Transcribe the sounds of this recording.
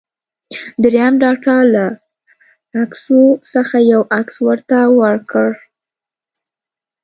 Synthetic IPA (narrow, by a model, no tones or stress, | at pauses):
d̪ɾjamɖɑʈalaː | ksosəxajawakswəɾt̪awəɽkəɽ